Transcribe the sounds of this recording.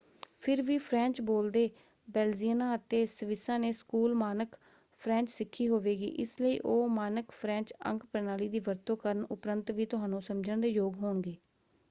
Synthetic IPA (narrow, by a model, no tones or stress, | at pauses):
pʰɪɾʋiːpʰɾɛ̃ːnt͡ʃboːld̪eː | bɛːld͡ʒiənãːət̪eːsəʋɪsãːneːskuːlmaːnək | pʰɾɛ̃ːnt͡ʃsɪkʰːiːɦoːʋeːɡḭːʔɪ̰sləḭːʔoːmaːnəkpʰɾɛ̃ːnt͡ʃə̰̃ŋkpɛnaːliːd̪iːʋəɾt̪õːkəɾənʊpɾənt̪ʋiːt̪ʊɦaːnũːsəmd͡ʒəɳd̪eːjoːɡɦoːɳɡeː